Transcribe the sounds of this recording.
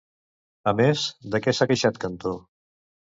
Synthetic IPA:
əmezd̪əkɛsakəʃat̪̚kənt̪o

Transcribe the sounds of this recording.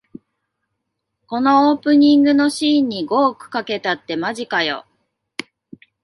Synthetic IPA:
ko̞no̞oːpɯ̟ɲ̟ĩŋɡɯ̟no̞ɕiːɲ̟ːiɡo̞ːkɯ̟̥kake̞t̪at̪ːe̞maʑikajo̞̰

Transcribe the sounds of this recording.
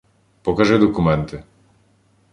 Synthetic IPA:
pɔkaʒɛd̪ɔkumɛnt̪ɛ

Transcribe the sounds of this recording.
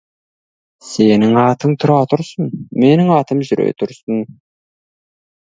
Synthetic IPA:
se̞nɪŋɑt̪əŋt̪ʰʊɾɑt̪ʰʊɾsənme̞nɪŋɑt̪əmʒʏɾḛt̪ʰʊɾsən

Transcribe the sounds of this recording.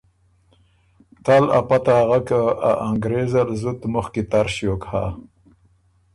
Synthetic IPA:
t̪ala̰pat̪aɣakaa̰ʔaŋɡɾezalzut̪mʊxkit̪aɾʃjokha̰

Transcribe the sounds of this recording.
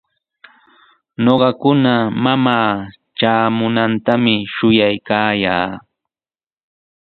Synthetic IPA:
noɢɑkʊnamamaː | t͡ʃaːmʊnant̪amɪʃʊjajkaːjaː

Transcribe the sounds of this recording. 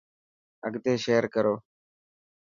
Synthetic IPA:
əɡt̪eːʃeːəɾkəɾoː

